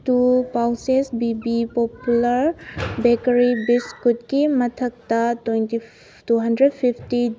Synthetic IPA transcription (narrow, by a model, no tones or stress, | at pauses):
tupawsesbibipopulɐɾbekɐɾibiskut̚kimɐtʰɐk̚tɐtoɔjnti | tuɦɐndɾed̚pʰipʰti